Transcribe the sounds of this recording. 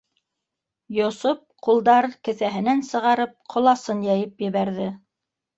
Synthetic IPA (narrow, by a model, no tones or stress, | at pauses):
jŏsop̚qulˠd̪ɑɾkɘ̆θæɦɘ̆nænsɤ̆ʁɑɾɤp̚qʰŏlˠɑsɤnjæjɘpjɘ̆βæɾðɘ